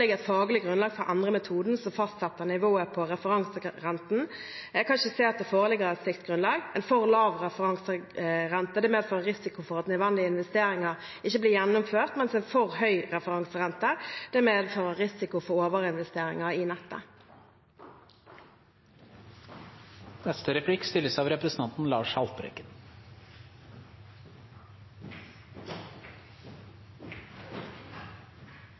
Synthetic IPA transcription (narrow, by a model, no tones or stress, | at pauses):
lɪɡəʁɛt̪fɑːɡlɪɡʁʉnlɑːɡfɔɾʔɑ̰nd̪ʁəmɛt̪ʰuːd̪n̩sɔmfɑst̪sɛt̪ːəʁnɪʋoːəpʰɔʁɛfəʁɑŋsəʁɛnt̪n̩ækʰɑnʃəseːt̪ɛfoːʁəlɪɡəʁɛt̪sɪkt̪ɡʁʉnlɑːɡɛɪnfɔʁlɑːʋʁɛfəʁɑŋsəʁɛnt̪əd̪ɛmeːd̪føːʁəʁɪsɪkʊfɔʁɑt̪nœd̪ʋɛnd̪ɪəɪnʋɛst̪eːɾɪŋɑʁ | ɪçəbliːjɛnːʊmføːʁt̪mɛnsɛnfɔʁhœʏɾɛfəʁɑŋsəʁɛnt̪əd̪̥eːmeːd̪føːʁəʁɪsɪkʊfɔʁoːʋəʁəɪnʋɛst̪eːʁɪ̰ŋɑiːnɛt̪ːə̰ | nɛst̪əɾɛpʰɽɪkst̪ɪlːəsɑːʋɾɛpɾəsn̩ʰɑnt̪n̩lɑːʂhɑlt̪bɾɛ̰kən